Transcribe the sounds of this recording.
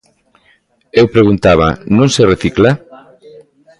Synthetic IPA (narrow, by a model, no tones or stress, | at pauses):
ewpɾeɣunt̪aβ̞ɐ̰nõŋsereθikla